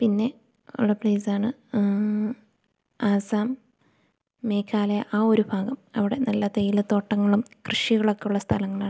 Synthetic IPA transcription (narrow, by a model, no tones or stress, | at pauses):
pinːe̞ | ṵɭːɐpliːsaːɳɨ | aːsaːm | eːkʰːaːlɐjɐʔaːo̞ɾubʱaːɣɐmɐ̰ʋiɽe̞nɐlːɐt̪ejilt̪o̞ːʈːɐŋːɐɭumkrɨʂiɣɐɭo̞kːe̞juɭːɐst̪ʰɐlɐŋːɐɭaːɨ